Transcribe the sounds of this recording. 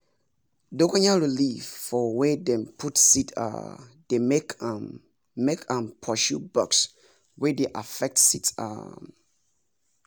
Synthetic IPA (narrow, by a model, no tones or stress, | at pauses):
dokaɲaɹilifːɔwedɛ̃mpʰutsitʰa̰d̥emek | mekʰãmpʰɔʃubɔ̰ks | wɛdeʔafɛk̚tsita̰